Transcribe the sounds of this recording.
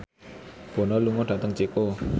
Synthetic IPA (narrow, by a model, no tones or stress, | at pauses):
b̥o̤nɔluŋɔɖ̥ät̪əŋt͡ʃiko